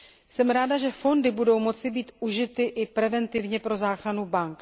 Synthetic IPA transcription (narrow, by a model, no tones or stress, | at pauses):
sɛmɾaːdaʒɛfo̞ndɪbudo̞wmo̞t͡sɪbiːt̪ʔuʒɪt̪ɪʔɪpɾɛvɛnt̪ɪvɲɛpɾo̞zaːxɾanubaŋk